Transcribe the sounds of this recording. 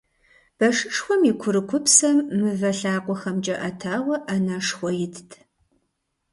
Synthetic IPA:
b̥ɐʂɨʂxʷɔmikʷʰʊɾɨkʷʰʊpsɐmːɨvɐɬaːqʷɔxɐmd͡ʒʼɐʔɐtʰaːwɐʔɐnɐʂxʷɔjɪtʰtʰ

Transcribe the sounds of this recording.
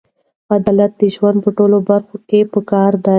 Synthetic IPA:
ad̪ɑlat̪̚d̪əʒwand̪̚pəʈolobaɾxokepəkɑɾd̪a

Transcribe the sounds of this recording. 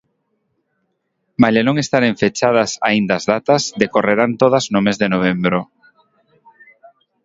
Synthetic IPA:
majlenõŋest̪aɾeɱfet͡ʃað̞ɐsaind̪azðat̪ɐzðekoreɾant̪oð̞ɐznʊmezðenoβ̞embɾo

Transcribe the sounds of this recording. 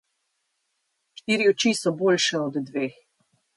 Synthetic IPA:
ʃt̪iːɾiɔt͡ʃisɔboːlʃɛɔd̪d̪ʋeːx

